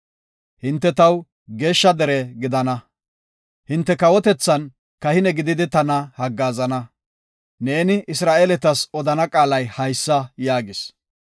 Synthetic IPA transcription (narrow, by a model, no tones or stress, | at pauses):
hɪnt̪ːɛt̪ɐw | ɡe̞ːʃːɐd̪ɛɾɛɡɪd̪ɐnɐ | hɪnt̪ːɛkɐwɔt̪ɛt͡sːɐn | kɐhɪnɛɡɪd̪ɪd̪ɪt̪ɐnɐhɐɡːaːzɐnɐ | neːnɪʔɪsɾaːʔelɛt̪ɐsɔd̪ɐnɐkʼaːlɐjhɐjsːɐjaːɡɪs